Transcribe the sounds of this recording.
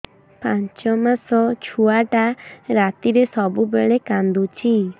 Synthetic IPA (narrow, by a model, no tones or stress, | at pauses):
paɲt͡ʃɔmasɔt͡ʃʰuaʈaɾat̪iɾesɔbubeɭekand̪ut͡ʃʰi